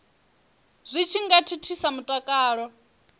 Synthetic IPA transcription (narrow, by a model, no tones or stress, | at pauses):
z̥ʷit͡ʃʰiŋɡatʰitʰisamutʼakʼaːɺɔ